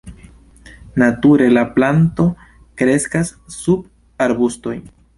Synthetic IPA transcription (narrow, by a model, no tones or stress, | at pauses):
natuɾe̞laplanto̞ | kɾe̞skasːub̚ | aɾbusto̞jn